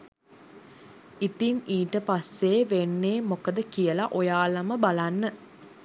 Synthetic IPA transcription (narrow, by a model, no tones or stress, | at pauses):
it̪iniːʈəpasːeːʋenːeːmokəd̪əkijəlaʔojaːlɐməbalanːə